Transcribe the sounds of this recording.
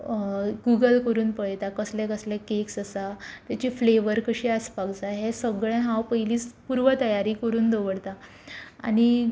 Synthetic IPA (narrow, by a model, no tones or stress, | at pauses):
ɡuɡəlkəɾuːnpəɭt̪akəslɛ̃kəslɛ̃keksəsat̪jat͡ɕiːfleʋəɾkəɕiːəspaɡd͡zaɦesəɡɭɛ̃ɦãwpəiliːt͡spuɾʋət̪əjaɾiːkəɾuːnd̪oʋəɽt̪a | a̰ɽ̃i